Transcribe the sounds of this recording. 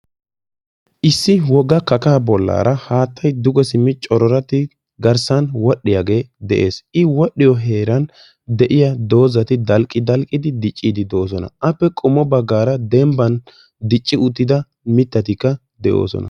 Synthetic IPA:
ʔɪsːɪwɔɡɐkɐkaːbɔlːa̰ːɾɐhaːt̪ːɐjd̪ʊɡɛsɪmːɪt͡ʃʼɔɾɔɾɐt̪ɪ | ɡɐɾsɐnwɔɗːɪjaɡe̞ːd̪ɛʔe̞ːsʔɪwɔɗːɪjɔɦe̞ːɾɐn | d̪ɛʔɪjɐd̪o̞ːzɐt̪ɪd̪ɐlkʼːɪd̪ɐlkʼːɪd̪ɪd̪ɪt͡ʃʼːiːd̪ɪd̪o̞ːs̬ɔnɐ̰ʔɐpːɛkʼɔmːɔbɐɡːaːɾɐd̪ɛmbɐn | d̪ɪt͡ʃʼːɪʊt̪ːɪd̪ɐ | mɪt̪ːɐt̪ɪkːɐ | d̪ɛʔo̞̰ːsɔ̰nɐ̰

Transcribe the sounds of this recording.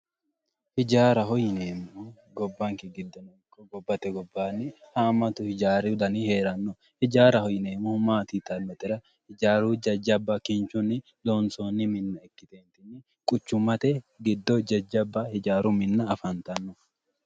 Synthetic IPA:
hɪd͡ʒaːɾɐhɔjneːmːu | ɡɔbːɐŋkɪɡɪd̪ːɔnɔŋkːɔɡɔbːɐt̪ɛɡɔbːaːnːɪhamɐt̪ʊhɪd͡ʒaːɾɪʊd̪ɐniheːɾɐnːɔ | hɪd͡ʒaːɾɐhɔjɪneːmːʊmaːt̪it̪ɐnːɔt̪ɪɾɐ | hɪd͡ʒaːɾuːd͡ʒɐd͡ʒːɐbːɐkɪnt͡ʃʊnːɪ | loːnsoːnːɪmɪnːɐɛkːɪt̪eːnt̪ɪnːɪ | kʼʊt͡ʃːʊmɐt̪ɛɡɪd̪ːɔd͡ʒɐd͡ʒːɐbːɐhɪd͡ʒaːɾʊmɪnːɐːfɐnt̪ɐnːɔ

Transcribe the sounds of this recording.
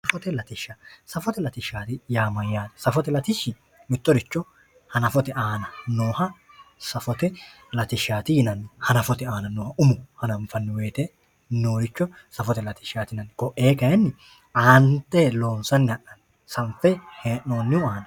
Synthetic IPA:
sɐfɔt̪ɛlɐt̪ɪʃɐsɐfɔt̪ɛlɐt̪ɪʃːaːt̪ɪjaːmɐjːaːd̪ɐ̥sɐfɔt̪ɛlɐt̪ɪʃːɪ | mɪt̪ːɔɾɪt͡ʃːɔ | hɐnɐfɔt̪ɛʔaːnɐnoːhɐ | sɐfɔt̪ɛ | lɐt̪ɪʃaːt̪ɪjɪnɐnːɪhɐnɐfɔt̪ɛaːnɐnoːhɐʊmʊhɐnɐɱfɐnːɪwe̞ːt̪ɛ | noːɾɪt͡ʃːɔ | sɐfɔt̪ɛlɐt̪ɪ̥ʃaːt̪ɪɪnɐnːkɔʔːeːkɐɛnːɪ | aːnt̪ːɛlo̞ːnsɐnːɪhɐʔɐn | sɐnfɛheːʔo̞ːnːɪʊaːnɐ

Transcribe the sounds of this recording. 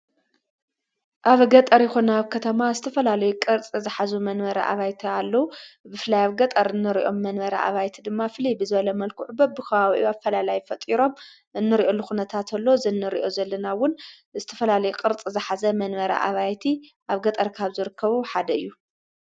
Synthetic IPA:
ʔaβɡɐt̪ʼɐɾjɪxonɐːβkʰɐt̪ʰɐmazɨt̪ʰɐfɐlalɐjukʼɨɾt͡sʼizɨħazumɐnmɐɾɐ̰ʔa̰βajt̪ʰialːɐwubɨflɐjaβɡɐt̪ʼɐɾɨnːɨɾḭʔo̞̰mːɐnmɐɾɐ̰ʔa̰βajt̪ʰid̪ɨmːafɨlibɨzɨβɐlɐmɐlkʰuʕʊbɐb̚bɨkʰɐβaβʔuafːɐlalajfɐt̪ʼiɾo̞m | ʔɨnːɨɾiʔo̞lːuxunɐt̪ʰat̪ʰɐlːo̞zɨnːɨɾḭʔo̞zɐlːɐnawʊn | zɨt̪ʰɐfɐlalɐjukʼɨɾt͡sʼizɨħazɐmɐnmɐɾɐ̰ʔa̰βajt̪ʰiʔaβɡɐt̪ʼɐɾkʰaβzɨɾɨkʰːɐβuħad̪ɐɨjːu

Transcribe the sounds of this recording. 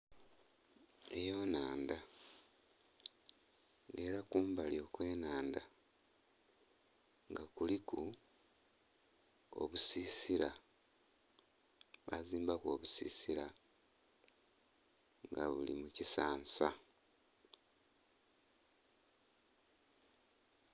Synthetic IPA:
ḛjo̞ːnaːnda | e̞ːɾakuːmbalio̞ːkwe̞ːnaːnda | ŋɡakuliku | o̰βusiːsiɾa | βa̰ziːmbako̞ːβusḭːsiɾa | ŋɡa̰βṵlḭmucisaːnsa

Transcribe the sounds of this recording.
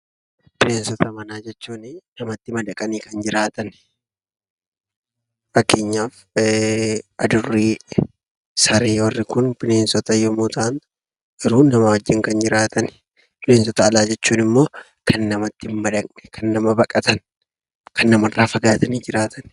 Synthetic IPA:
pɪleːnsɔt̪ʰɐmɐnaːd͡ʒɛt͡ʃːuːnɪnɐmɐt̪ːɪmɐd̪ɐkʼɐniːkɐnd͡ʒɪɾaːt̪ɐn | fɐkːeːɲːaːf | ɐd̪ʊrːiː | sɐɾeːwɐrːɪkʊnpɪne̞ːnsɔt̪ɐjɔmuːt̪aːn | ʔɪɾuːnɐmɐwɐd͡ʒːɪŋkɐnd͡ʒɪɾaːt̪ʰɐn | pɪleːnsɔt̪ɐːlaːd͡ʒɛt͡ʃːuːnɪmːo̞ː | kʰɐnːɐmɐt̪ːɪmːɐd̪ɐknɛ̥kʰɐnːɐmɐbɐkʼɐt̪ɐn | kʰɐnːɐmɐrːaːfɐɡaːt̪ɐniːd͡ʒɪɾaːt̪ʰɐn

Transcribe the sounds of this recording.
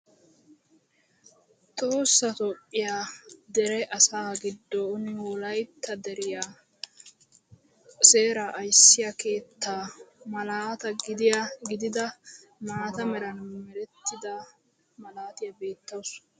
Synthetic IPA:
t̪ʼoːsːɐt̪ɔpʼːɪjaːd̪ɛɾɛʔɐsaːɡɪd̪ːɔʊnwɔlɐjt̪ːɐd̪ɛɾɪjaː | se̞ːɾɐʔːjsːɪjɐke̞ːt̪ːaːmɐlaːt̪ɐɡɪd̪ɪjaɡɪd̪ɪd̪ɐ | maːt̪ɐmɛɾɐnmɛɾɛt̪ːɪd̪ɐ | mɐlaːt̪ɪjɐbe̞ːt̪ːɐws

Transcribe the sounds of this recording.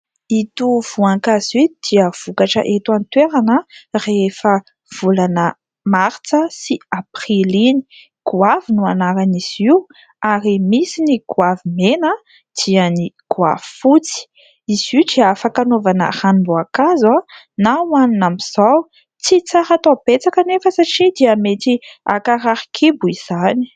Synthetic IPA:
it̪uv̥uaŋkazid̪̥iəv̥ukaʈ͡ʂə̰ʔet̪want̪weɾanərefə | v̥ulanə | maɾt͡səsiaprilini̥ | ɡ̥uavinuanaɾaniz̥iu | aɾimisiniɡuavimenə | d̪̥iəniɡ̥ua̰vifut͡si̥ | iziʈ͡ʂiafakanovanə̰hanbuakaza | nawaninamiz̥aw | t͡sit͡saɾat̪apet͡sakənefəsaʈ͡ʂid̪iamet̪ia̰kaɾaɾikʰibuiz̥ani̥

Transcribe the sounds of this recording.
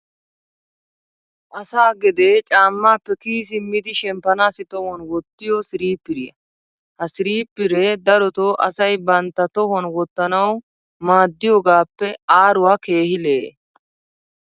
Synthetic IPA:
ʔɐsaːɡɛd̪eːt͡ʃʼaːmːaːpːɛkiːs̬ɪmːɪd̪ɪʃɛmpɐnaːsɪt̪ɔhɔnwɔt̪ːɪjɔsɪɾiːpːɪɾɪjɐ̰ | hɐsɪɾiːpːɪɾɛd̪ɐɾɔt̪ɔʔɐsɐjbɐnt̪ːɐt̪ɔhɔnwɔt̪ːɐnɐw | maːd̪ːɪjoːɡaːpːɛaːɾʊwaːke̞ːhɪleː

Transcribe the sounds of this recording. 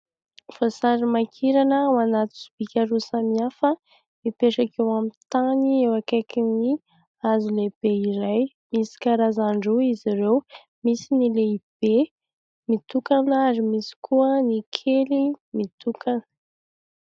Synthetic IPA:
fasaɾimakʰiɾanəwanat̪u̥su̥b̥ikʲaɾusamiafə | mipeʈ͡ʂakewamit̪aniewakakini | azuleb̥eiɾaj | misi̥kaɾazaɳɖ͡ʐuiziɾew | misinileib̥e | mit̪ukanaaɾimisi̥kʰuənikʰelimit̪ukʰanə̥

